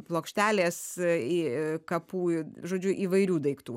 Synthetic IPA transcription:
plˠoːkʃʲt̪ʲæːlʲeːsikɐpuːʒoːd͡ʒʲʊʔiːʋɐɪɾʲuːd̪ɐɪkt̪uː

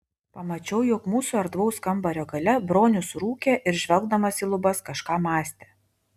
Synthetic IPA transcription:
pɐmɐt͡ʃʲɛʊjʊkmuːsuɐɾd̪ʋɐʊskɐmbɐɾʲoːɡɐlʲɛbɾoːnʲʊsɾuːkʲeʔɪɾʒʲʋʲɛlˠɡd̪ɐmɐsiːlˠʊbɐskɐʃkɑːmɑːsʲt̪ʲeː

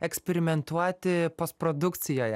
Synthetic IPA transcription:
ɛksʲpʲɛɾʲɪmʲɛnt̪uɔt̪ʲɪpɐspɾɔd̪ʊkt̪sʲɪjoːjɛ

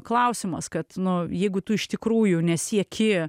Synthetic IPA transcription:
klˠɐʊsʲɪmɐskɐt̪nʊjɛɪɡʊt̪ʊɪʃt̪ʲɪkɾuːjʊnʲɛsʲiɛkʲɪ

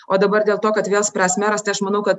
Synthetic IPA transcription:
oːd̪ɐbɐɾd̪ʲeːlˠt̪oːkɐt̪ʋʲeːlˠsʲpʲɾʲæːsʲmʲæːɾɐst̪ɐɪɐʃmɐnɐʊkɐt̪

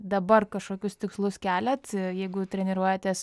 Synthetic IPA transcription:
d̪ɐbɐrkɐʃkoːkʲʊst̪ʲɪkslˠʊskʲæːlʲɛt̪jɛɪɡʊt̪ʲɾʲɛnʲɪɾuɔjɛt̪ʲɛːs

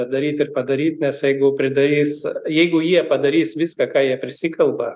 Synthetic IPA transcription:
ɐd̪ɐɾʲiːt̪ɪrpɐd̪ɐɾʲiːt̪nʲɛsjɛɪɡʊpʲɾʲɪd̪ɐɾʲiːsjɛɪɡʊjiɛpɐd̪ɐɾʲiːsʋʲɪskɑkɑːjiɛpʲɾʲɪsʲɪkɐlˠbɐ

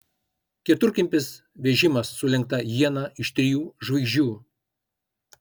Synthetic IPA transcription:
kʲiɛt̪ʊɾʲkʲɪmʲpʲɪs | ʋʲɛʒʲɪmɐsːʊlʲɛŋk̚t̪ɐjiɛnɑɪʃt̪ʲɾʲɪjuːʒʋɐɪʒʲuː

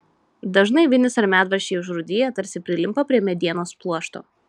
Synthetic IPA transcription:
d̪ɐʒnɐɪʋʲɪnʲɪsɐɾʲmʲæːd̪ʋɐɾʃʲeːɪʊʃɾʊd̪ʲɪjɛt̪ɐɾʲsʲɪpʲɾʲɪlʲɪmpɐpʲɾʲiɛmʲɛd̪ʲiɛnoːsplˠuɔʃt̪o̰ː

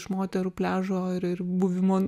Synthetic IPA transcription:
ʃmoːt̪ʲɛɾuːpʲlʲæːʒoːɪɾɪrbʊʋʲɪmoː

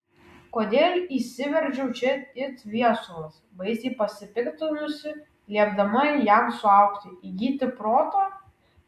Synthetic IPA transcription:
koːd̪ʲeːlʲiːsʲɪʋʲɛɾʲd͡ʒʲɛʊt͡ʃʲɛɪt̪ʲʋʲiɛsʊlˠɐsbɐɪsʲiːpɐsʲɪpʲɪkt̪ʲɪnʊsʲɪ | lʲiɛbd̪ɐmɐjæˑmsʊɐˑʊkt̪ʲɪiɡʲiːt̪ʲɪpɾoːt̪oː

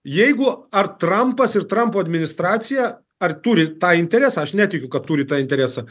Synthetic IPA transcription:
jɛɪɡʊɐrt̪ɾɐmpɐsɪrt̪ɾɐmpoːɐd̪ʲmʲɪnʲɪst̪ɾɑːt̪sʲɪjæ | ɐrt̪uːɾʲɪt̪ɑːɪnʲt̪ʲɛɾʲæːsɑːɐʃnʲæːt̪ʲɪkʲʊkɐt̪t̪ːuːɾʲɪt̪ɑːɪnʲt̪ʲɛɾʲæːsɑ

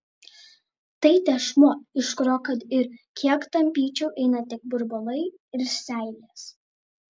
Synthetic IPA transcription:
t̪ɐɪt̪ʲɛʃmoɪʃkɾoːkɐt̪ɪɾkʲiɛkt̪ɐmʲpʲiːt͡ʃʲɛʊʔɛɪnɐt̪ʲɪk̚bʊɾbɔlˠɐɪ | ɪɾsʲæˑɪlʲeːs

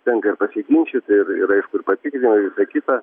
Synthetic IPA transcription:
t̪ʲɛŋkɐɪrpɐsʲɪkʲɪnʲʃʲɪt̪ɪrɪ̰ɾɐɪʃkʊɪrpɐt̪ʲɪkɾʲɪnɐʋʲɪsɐkʲɪt̪ɐ

